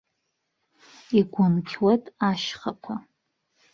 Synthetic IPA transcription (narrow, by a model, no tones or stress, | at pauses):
iɡʷʊnkʲʰwatʼaʃχakʷʰa